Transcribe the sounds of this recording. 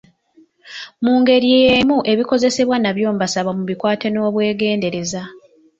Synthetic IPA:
muːŋɡe̞ɾiejemuʔe̞βiko̞ze̞se̞βwanaβjo̞ːmbasaβamuβikwaːte̞no̞ːβwe̞ːɡe̞ːnde̞ɾe̞za

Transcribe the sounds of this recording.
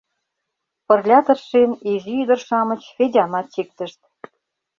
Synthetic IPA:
pɤ̆rlʲɑt̪ɤ̆rʃeniʒiyd̪ə̆rʃɑmə̆t͡ɕfʲedʲɑmɑt̪t͡ɕik̚t̪ə̆ʃt̪̚

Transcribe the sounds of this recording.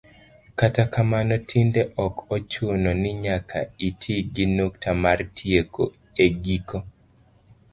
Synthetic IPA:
katakamanɔtʰindeʔɔkɔt͡ʃʊnɔnɪɲakʰaitʰiɡinoktʰamartʰieko | eɡiko

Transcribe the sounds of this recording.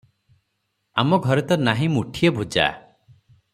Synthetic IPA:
a̰mɔɡʱɔɾɔt̪ɔnaɦĩmuʈʰijebʱud͡ʒa̰

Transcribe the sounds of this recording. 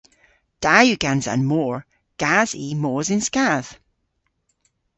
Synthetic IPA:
d̥ajʉɡ̥ãnzã̰nmɔɹ | ɡ̥az̥imozɪ̃nskað̥

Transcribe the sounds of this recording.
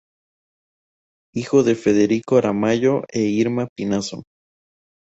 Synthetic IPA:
ixoðe̞feðeɾikoɾamaʝoʔeiɾmapinaso̰

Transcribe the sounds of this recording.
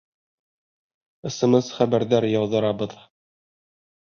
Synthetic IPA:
ɤ̆sɤ̆mɤzχæbæɾðæɾjɑwðɤ̆ɾɑbɤð

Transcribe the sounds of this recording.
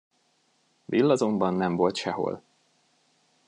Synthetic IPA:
vilːɒzo̞mbɒnːɛɱvo̞lt̪ʃɛɦo̞̰l

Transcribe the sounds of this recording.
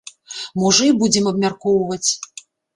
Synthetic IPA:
mɔʐɨjbud͡zʲɛmɐbmʲarkɔwvɐt͡sʲ

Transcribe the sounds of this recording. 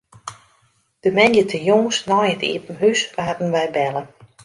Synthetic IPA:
d̥əmɛnjətʰəjoŋsnɔjətḭətn̩ɦysʋadn̩ʋɛjbɛlˠə

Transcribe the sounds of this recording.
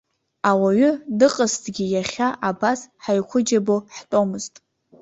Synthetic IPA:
awaɥʏdɨqʼəstʰʼɡʲijaχʲaʔabasħajkʷʰʊd͡ʒaboħtʼo̞mɨztʼ

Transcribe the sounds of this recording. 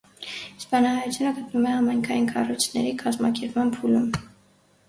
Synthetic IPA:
spɑnɑhɑjut͡sʰjunəɡət̪numɛɑmɑjŋkʰɑjinkʰɑrujt͡sʰnɛ̰ɾikʰɑzmɑkɛɾpmɑnpʰulum

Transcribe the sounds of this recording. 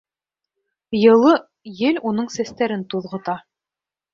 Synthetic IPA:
jɤ̆lˠɤ | jɘlunɤɴsæst̪æɾɘnt̪uðʁɤ̆t̪ɑ

